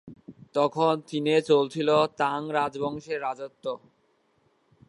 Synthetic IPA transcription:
t̪ɔkʰont̪inet͡ɕolt͡ɕʰilot̪aŋɾad͡ʑbɔŋʃeɾːad͡ʑot̪ːo

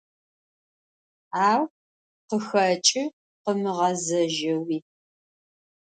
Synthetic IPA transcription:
aːw | qəxɐt͡ʃʼɪ | qəmɨʁɐzɐʒɐwiː

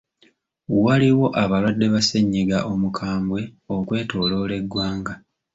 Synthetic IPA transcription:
waliwo̞ʔaβalwadːe̞βaseɲːiɡaʔo̞mukʰaːmbwe̞okwe̞ːto̞ːlo̞ːle̞ɡwaːŋɡa

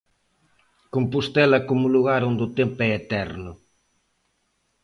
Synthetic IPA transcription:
kompust̪ɛlɐkomʊluɣaɾond̪ʊt̪empʊɛet̪ɛɾnʊ

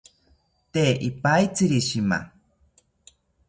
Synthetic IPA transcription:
t̪eʔipait͡sɨɾiɕima̰

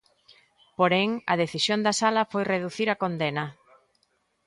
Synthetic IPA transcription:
poɾɛŋɐð̞eθisjond̪ɐsalɐfojreðuθiɾɐkond̪enɐ

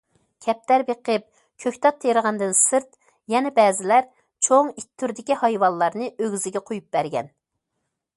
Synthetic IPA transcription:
kʲʰɛp̚t̪æɾbeqʰəp̚ | kʲʰøkʲt̪ʰɑt̪ʰːeɾəʁɑnd̪ɨnsɨɾt̪ | jɛnɛbɛːzɪlæɾ | t͡ʃʰoŋit̪ʰːyɾd̪ɪkʲihɑjwɑnlˠɑɾnɨøɡʲyzɪɡʲɛqʰojup̚bæɾɡʲɛ̰n

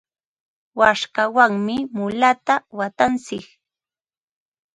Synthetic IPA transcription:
waʃkawaŋmɪmʊlat̪awat̪ant͡sɪk

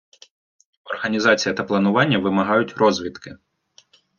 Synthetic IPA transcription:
ɔrɦɐnʲizɑt͡sʲijɐt̪ɐplˠɐnʊʋɑnʲːɐʋɪmɐɦɑjʊtʲrɔzʲʋʲit̪kɪ

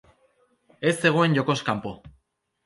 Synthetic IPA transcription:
e̞sːe̞ɣo̞e̞nʝo̞ko̞skampo̞

